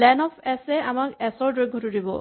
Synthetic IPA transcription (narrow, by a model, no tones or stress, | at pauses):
lɛnɔpʰɛsɛamakɛsɔɹdojɡʱɔtuɹibɔ̰